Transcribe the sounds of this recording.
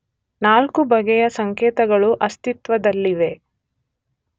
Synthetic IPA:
naːlkubɐɡɛjɐsɐŋkeːt̪ɐɡɐɭuʔɐst̪it̪ʋɐd̪ɐlːiʋe̞

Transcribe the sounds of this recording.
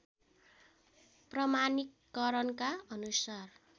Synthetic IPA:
prʌmanikːʌɾʌnkaʌnusar

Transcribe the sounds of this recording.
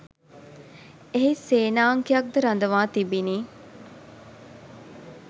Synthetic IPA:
eɦiseːnaːŋkijɐk̚d̪əɾɐnd̪əʋaːt̪ibiniː

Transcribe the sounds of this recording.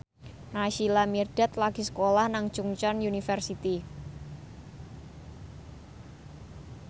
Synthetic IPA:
naʃilamird̥ɛt̪laɡ̥isə̥kolahnaŋ̥ʒ̥uŋt͡ʃɔnjunifɛrsit̪i

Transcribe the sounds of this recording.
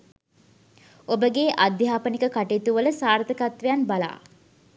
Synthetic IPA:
obəɡeːʔad̪jaːpənikəkaʈeːt̪uʋələsaːɾt̪əkat̪ʋejanbala̰ː

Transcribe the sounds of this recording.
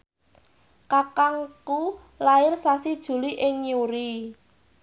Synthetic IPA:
kakaŋku | laɪrsasid̥ʒ̥ṳliʔɪŋɲuɾi

